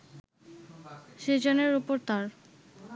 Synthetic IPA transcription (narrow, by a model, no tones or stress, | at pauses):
ʃed͡ʑoneɾupoɾt̪aɾ